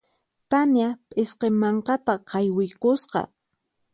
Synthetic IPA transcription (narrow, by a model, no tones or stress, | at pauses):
t̪anjapʼɪsqemɑɴqɑt̪aqʰɑjwɪjkʊsqɑ̰